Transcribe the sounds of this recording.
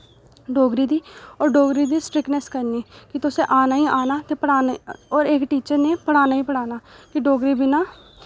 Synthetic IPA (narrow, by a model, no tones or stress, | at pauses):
ɖoːɡɾiːd̪iːɔːɾɖoːɡɾiːd̪iːsʈɾɪknɛskəɾnieːkɪt̪ʊsẽːʔaːnaːiːʔaːnaːt̪eːpəɽaːnɔːɾekʈiːt͡ʃəɾneːpəɽ̃aːnaːĩːpəɽaːnaːkɪɖoːɡɾiːbɪnaː